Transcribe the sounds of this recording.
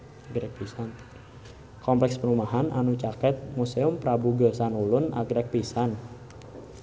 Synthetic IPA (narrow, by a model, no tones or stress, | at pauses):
aɡɾɛk̚pisan | kɔmplɛkspəɾumaɦanʔa̰nut͡ʃakɛt̪̚museʊmpɾabuɡəsanulʊna̰ɡɾɛk̚pisan